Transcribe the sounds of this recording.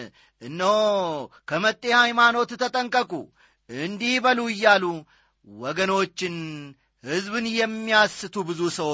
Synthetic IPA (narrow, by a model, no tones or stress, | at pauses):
ʔɨnːəwkʰəmət̪ʼːe̞hajmano̞t̪t̪ʰət̪ʼəŋkʼəkʼṵ | ɨnd̪ihbəluɨjːalu | wɔɡəno̞t͡ʃːɪn | hɨzbɨnjɛmːiasːɨt̪ʰubɨzusəwo